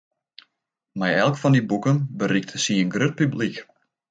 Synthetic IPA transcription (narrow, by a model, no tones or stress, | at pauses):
mɛjɛlˠkfɔndibukənbəɾik̚tʰəsiənɡrøt̚pyblik